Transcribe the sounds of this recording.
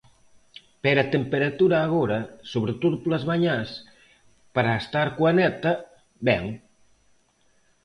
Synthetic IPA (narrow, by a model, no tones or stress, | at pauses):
peɾat̪empeɾat̪uɾaːɣoɾɐsoβɾet̪oðʊplazβaɲas | paɾaest̪aɾkwanɛt̪ɐ | bɛŋ